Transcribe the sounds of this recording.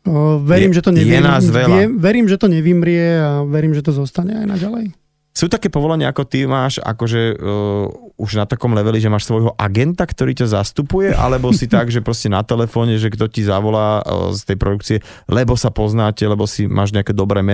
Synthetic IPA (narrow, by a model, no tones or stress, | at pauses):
ʋɛɾiːmʒɛt̪ɔɲɛjiɛnaːzʋɛlɛʋɛɾiːmʒɛt̪ɔɲɛʋimɾɪɛaʋɛɾiːmʒɛt̪ɔzɔst̪aɲɛajna̰ɟalɛj | suːt̪akɛːpɔʋɔlɛɲɪaakɔt̪imaːʃa̰kɔʒɛ | uʒnat̪akɔmlɛʋɛliʒɛmaːʃsʋɔjɦɔʔaɡɛnt̪akt̪ɔɾiːcazast̪upujɛʔa̰lɛbɔsit̪aɡʒɛpɾɔscɛnat̪ɛlɛfɔːɲɛʒɛɡd̪ɔcizaʋɔlaːst̪ɛjpɾɔd̪ukt͡siɛ | lɛbɔsapɔznaːcɛlɛbɔsimʔa̰ːʒɲɛakɛːd̪ɔbɾɛːmɛ